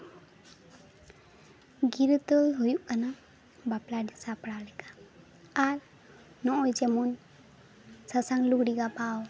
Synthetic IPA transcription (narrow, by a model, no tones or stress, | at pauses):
ɡiɾut̪ɔlɦujuʔkana | baplaɖisapɽalɛɡḁ | aɾ | nɔʔɔjd͡ʒɛmun | sasaŋlukɽiɡapaw